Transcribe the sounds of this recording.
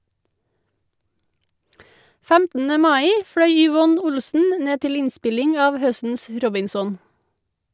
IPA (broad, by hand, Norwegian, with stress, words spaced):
ˈfæmtn̩ə ˈmɑːiː ˈfɽœʏ ʏˈʋɔn ˈʊlsn̩ ˈneː ˈtɪl ˈɪnˌspɪlɪŋ ˈɑːʋ ˈhœstn̩s ˈɾɔbɪnsɔn